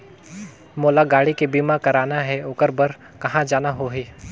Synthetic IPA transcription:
moːlaɡaːɽikebiːmakɐɾaːnaɦɛʊkəɾbɐɾ | kɐɦãd͡ʒaːnaɦoɦiː

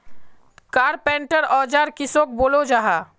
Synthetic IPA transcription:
kaːɾpɛ̃ːɳʈəɾɔːd͡ʒaːɾkɪsoːk̚boːlod͡ʒaːɦaː

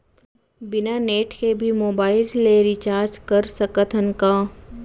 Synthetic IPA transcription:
bɪnaːneːʈkebʱimoːbaːɪlleɾit͡ʃaːɾd͡ʒkɐɾsɐkət̪ʰənkaː

